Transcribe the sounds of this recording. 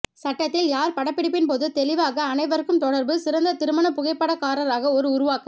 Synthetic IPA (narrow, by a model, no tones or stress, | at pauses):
sɐʈːɐt̪ːɪljaːɾpɐɽɐpːɪɽɪpːɪnpoːðɯt̪ɛlɪʋaːɣɐːnɐɪʋɐɾɯkːɯmt̪ɔɽɐɾbɯsɪɾɐnd̪ɐt̪ɪɾɯmɐnɐpʊɣɐɪpːɐɽɐkaːɾɐɾaːɣɐɔɾɯʊɾʊʋaːkɯ